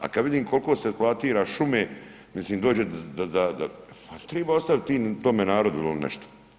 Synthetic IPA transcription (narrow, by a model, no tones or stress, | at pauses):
a̰kad̪ʋid̪iːmkʰo̞lkoːseplˠat̪iːɾaʃumeː | misliːmd̪o̞ːd͡ʑed̪ad̪ad̪a | at̪ɾeːbaːost̪aʋt̪ːiːnt̪omenaːɾo̞d̪uilnɛ̰ʃt̪o̥